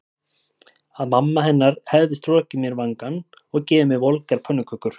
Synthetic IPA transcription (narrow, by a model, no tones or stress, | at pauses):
aðmamːaɦɛnːaɾ̥hɛvðɪst̪ɾɔːcɪmjɛɾvaŋkan | ɔɣcɛːvɪmɪvolkaɾ̥pʰœnːʏkʰʏkʏɾ̥